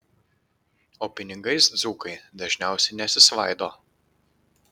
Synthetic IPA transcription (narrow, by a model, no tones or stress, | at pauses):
oːpʲɪnʲɪɡɐɪsd̪zuːkɐɪd̪ɐʒʲnʲæˑʊsʲɛɪnʲɛsʲɪsʋɐˑɪd̪oː